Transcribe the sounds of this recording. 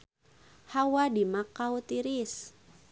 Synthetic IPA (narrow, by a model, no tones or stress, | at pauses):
hawadimakːaut̪iɾis